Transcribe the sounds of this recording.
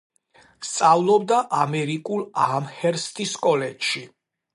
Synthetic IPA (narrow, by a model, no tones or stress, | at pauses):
st̪sʼavlˠɔb̚d̪aʔamɛɾikʼulˠaamhɛɾst̪ʼiskʼɔlɛtʃi